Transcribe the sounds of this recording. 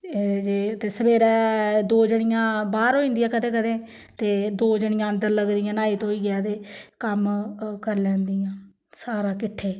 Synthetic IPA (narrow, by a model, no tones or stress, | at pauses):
d͡ʒeːt̪eːsəbeːɾɛːd̪oːd͡ʒəɳɪjãːbaːɾɦoːĩːnd̪ijãːkəd̪ẽːkəd̪ẽː | t̪eːd̪oːd͡ʒəɳɪjãːənd̪əɾləɡd̪ɪjãːnaːiːt̪oːiːɡɛːt̪eːkəmkəɾlɛ̃ːnd̪ijãː | saːɾaːkɪʈʰːeː